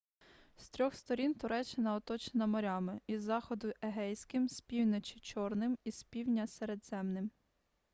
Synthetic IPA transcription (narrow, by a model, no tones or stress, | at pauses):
st̪ɾʲɔxst̪ɔɾʲint̪ʊɾɛt͡ʃːɪnɐɔt̪ɔt͡ʃenɐmɔɾʲɑmɪizːɑxɔd̪ʊʔeɦɛjsʲkɪmsʲpʲiwnɔt͡ʃɪt͡ʃɔrnɪmisʲpʲiwnʲɐseɾed̪z̥ɛmnɪm